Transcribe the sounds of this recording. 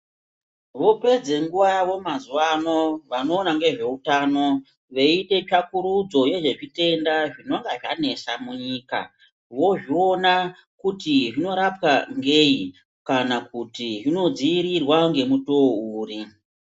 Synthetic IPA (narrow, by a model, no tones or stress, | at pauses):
ʋo̞pe̞d͡ze̞ŋɡuʋaʋo̞mazuwano̞ʋano̞ːnaŋɡe̞ʐe̞utaːno̞ | ʋe̞iɗe̞t͡ʃakuɾud͡zo̞je̞ʐe̞ʐite̞ndaʐino̞ŋɡaʐane̞samuɲiːka̰ | ʋo̞ʐio̞na | kutiʐino̞ɾapwaŋɡe̞i | kanakutiʐino̞d͡ziːɾirwaŋɡe̞mutouːri